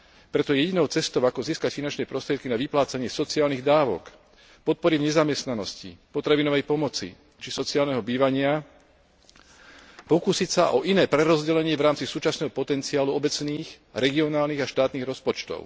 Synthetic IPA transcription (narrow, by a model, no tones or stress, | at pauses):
pɾɛt̪ɔjɛɟinɔʊt͡sɛst̪ɔʊakɔziːskacfinant͡ʃnɛːpɾɔst̪ɾɪɛt̪kinaʋiplaːt͡saɲɪɛsɔt͡siaːlniɣd̪aːʋɔ̰k | pɔt̪̚pɔɾivɲɛzamjɛst̪nanɔscḭpɔt̪ɾaʋinɔʋɛjpɔmɔt͡sḭ | t͡ʃisɔt͡siaːlnɛɦɔbiːʋaɲɪa | pɔkusicsaʔɔʔinɛːpɾɛɾɔzɟɛlɛɲɪɛvɾaːmt͡sisuːt͡ʃasnɛːɦɔpɔt̪ɛnt͡siaːluɔbɛt͡sniːx | ɾɛɡiɔnaːlniɣaʃt̪aːt̪niːɣɾɔspɔt͡ʃt̪ɔ̰ʊ